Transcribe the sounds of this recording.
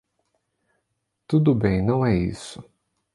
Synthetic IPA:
t̪ud̪ʊbẽj̃nɐ̃w̃ɛḭsʊ

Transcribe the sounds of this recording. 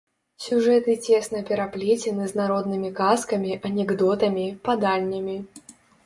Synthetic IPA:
sʲuʐɛt̪ɨt͡sʲesnɐpʲɛɾaplʲet͡sʲɪnɨznaɾɔd̪nɨmʲikaskɐmʲiʔɐnʲɛɡd̪ɔt̪ɐmʲipad̪anʲːɐmʲi

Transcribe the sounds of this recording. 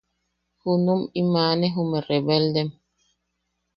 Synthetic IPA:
hunumimaːnɛɦumeɾebɛldɛm

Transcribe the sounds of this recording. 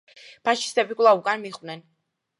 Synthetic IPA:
pʰaʃi̥st̪ʼɛbikʼvlˠaukʼanmiχʼwnɛn

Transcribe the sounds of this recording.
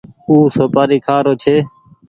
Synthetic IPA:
uːsoːpaːɾiːkʰaːɾoːt͡ʃʰeː

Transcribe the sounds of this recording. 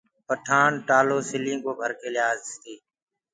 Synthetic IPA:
pəʈʰaːɳʈaːloːsɪlĩːɡoːbʱəɾkeːlɪɦaːzt̪iː

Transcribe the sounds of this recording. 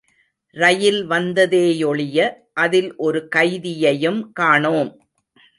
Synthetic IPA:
ɾɐjɪlʋɐnd̪ɐðeːjɔɭɪjɐ | ʔɐðɪlʔɔɾɯkɐɪðɪjɐjɯmkaːɳoːm

